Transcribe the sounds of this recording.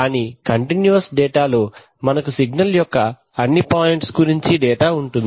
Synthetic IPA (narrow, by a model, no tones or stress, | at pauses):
kaːnikɐɳʈinjuɐsɖɛːʈaːlo̞ː | mɐnɐkusiɡnɐljɔkːɐ | ɐnːipaːjiɳʈsɡuɾiɲt͡ʃiɖɛːʈaːuɳʈund̪ii